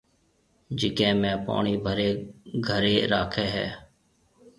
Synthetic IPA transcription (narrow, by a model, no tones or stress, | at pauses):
d͡ʒɪkẽːmɛ̃ːpa̰ːɳiːbʱəɾeːɡʱəɾeːɾaːkʰeːɦɛ̰ː